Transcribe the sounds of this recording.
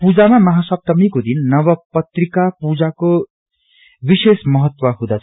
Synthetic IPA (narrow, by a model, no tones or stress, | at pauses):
pud͡zamamʌɦasʌb̚t̪ʌmikod̪inːʌwʌpʌt̪rikapud͡zako | bisesmʌɦʌt̪wʌɦũd̪at͡sʰ